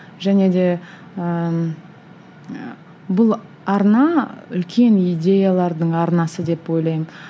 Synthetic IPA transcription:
ʒæne̞d̪e̞ | ə | bʊlˠ | ɑɾnɑʏ̰lkʲe̞nijd̪ʲe̞jalˠɑɾd̪əɴɑɾnɑsəd̪e̞pwo̞jlˠɑjəm

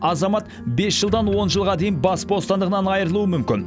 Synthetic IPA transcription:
ɑzɑmɑt̪ | be̞sʒəlˠd̪ɑnwo̞nʒəlˠʁɑd̪e̞jənbɑsbost̪ɑnd̪əʁənɑnɑjɾəlˠuəmʏmkʲɪn

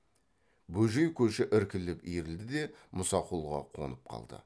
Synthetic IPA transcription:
bɵʒejkʲʰɵʃɪʔɪɾkʲɪlɪpijɾɪld̪ɪd̪e̞mʊsɑqulˠʁɑ̰qʰo̞̰nəp̚qʰɑ̰lˠd̪ə̰

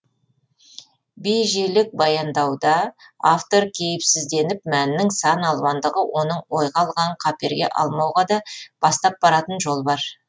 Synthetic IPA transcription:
bejʒelɪk̚bɑjɑnd̪ɑwd̪ɑaft̪o̞ɾkʲʰe̞jɪpsɪzd̪e̞nɪp̚mænɪnɪŋsɑnɑlˠbɑnd̪əʁəwʔo̞nəɴwo̞jʁɑlˠʁɑɴqʰɑpe̞ɾɡʲe̞̰ʔɑ̰lˠmɑwʁɑd̪ɑb̥ɑst̪ɑp̚bɑɾɑt̪ənʒo̞lˠbɑɾ

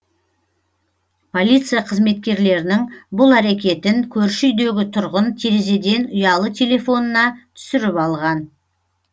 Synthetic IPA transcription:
pʰo̞lʲijt̪sɨjaqʰəzme̞t̪̚kʲe̞ɾle̞ɾɪnɪŋbʊlˠæɾe̞kʲe̞t̪ɪŋkʲʰɵɾʃʏjd̪e̞ɡʲɪt̪ʰʊɾʁənt̪ʰeɾeze̞d̪e̞nʊjɑlˠət̪ʰe̞lʲe̞fo̞nənɑt̪ʰʏ̥sɪɾɪpɑlˠʁɑn

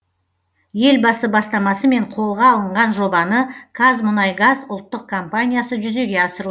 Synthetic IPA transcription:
je̞lbɑsəbɑst̪ɑmɑsəme̞ɴqʰo̞lˠʁɑːlˠəɴʁɑnʒo̞bɑnəɡ̥ʰazmʊnɑjɡazʊlˠt̪ːəq̚kʰo̞mpanʲijasəʒʏze̞ɡʲe̞ɑsəɾu

